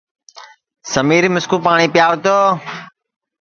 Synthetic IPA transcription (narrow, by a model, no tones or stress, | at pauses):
səmiːɾimʊskuːpaːɳ̃iːpjaːʋʊt̪oː